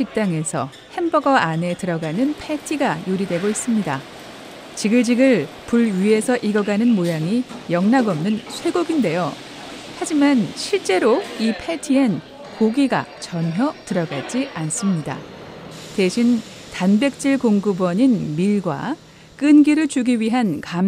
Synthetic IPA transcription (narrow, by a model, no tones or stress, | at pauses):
t͡ɕik̚t͈aŋe̞sʰʌ̰ | he̞mbʌɡʌʔane̞tɯɾʌɡanɯnpʰetʰiɡajuɾidwe̞ɡois͈ɯmɲida | t͡ɕiɡɯɭd͡ʑiɡɯɭ | puɭɥie̞sʰʌʔiɡʌɡanɯnmojaŋijʌŋnaɡʌmnɯnsʰwe̞ɡoɡinde̞jo | had͡ʑimanɕʰiɭt͡ɕ͈e̞ɾoipʰetʰian | koɡiɡa̰t͡ɕʌnɦjʌtɯɾʌɡaɭd͡ʑians͈ɯmɲida̰ | te̞ɕʰin | tanbe̞k̚t͡ɕ͈iɭkoŋɡɯbwʌɲinmiɭɡwa̰ | k͈ɯnɡiɾɯɭt͡ɕuɡiɥiɦankam